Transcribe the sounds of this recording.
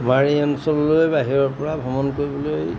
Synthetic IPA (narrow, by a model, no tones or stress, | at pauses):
maɹiɔnsɔlːojbaɦiɹɔɹpɔɹabʱɔmɔnkoɹibɔloj